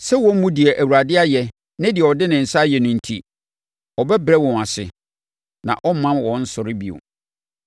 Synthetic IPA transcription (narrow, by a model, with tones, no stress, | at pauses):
sɛ˦wɔ̃˦m̩˦mũ˦di˨ɛ˨ʔæ˨wu˨ɾa˨dɪ˦a˦jɛ˨ | nɪ̃˦dɪ˨ɛ˨ɔ˨dɪ˦nɪ̃˨n̩˨sa˦jɛ˨nʊ̃˨n̩˨tʰḭ˨ | ɔ˨bɛ˦bɾɛ˦wɔ̃˨na˨sɪ̰˨ | nã̰˨ʔɔ˦mːã˦nwɔ̃˨n̩˦sʊ˨ɾɪ˦bi˨ʊ̰˨